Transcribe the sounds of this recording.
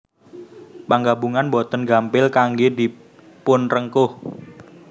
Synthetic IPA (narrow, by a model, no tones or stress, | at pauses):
paŋɡabuŋanbɔt̪ənɡampɪlkaŋɡed̪i | pʊnrəŋkʊh